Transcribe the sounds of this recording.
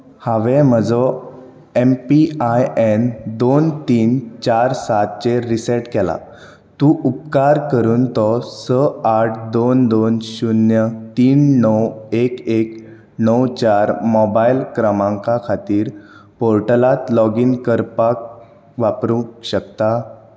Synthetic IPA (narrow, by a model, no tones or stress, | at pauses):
haʋɛm̤əd͡zɔ | empiajend̪ont̪iːnt͡ɕaɾsat̪̚t͡ɕeɾiseʈkɛla̰ | t̪ũʔup̚kaɾkəɾuːnt̪ɔsəaʈʰd̪ond̪onɕunjət̪iːnːəwekek | nəwt͡ɕaɾmɔbailkɾəmãŋkakʰat̪iːɾpoɾʈəlat̪lɔɡiːnkəɾpak̚ | ʋapɾũkɕək̚t̪a